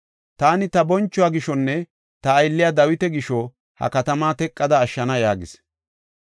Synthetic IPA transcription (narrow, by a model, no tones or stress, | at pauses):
t̪aːnɪt̪ɐbɔnt͡ʃːʊaːɡɪʃɔnːɛ | t̪ɐːjlːɪjad̪ɐwɪt̪ɛɡɪʃɔ | hɐ̰kɐt̪ɐmaːt̪ɛkʼːɐd̪ɐːʃːɐnɐjaːɡɪs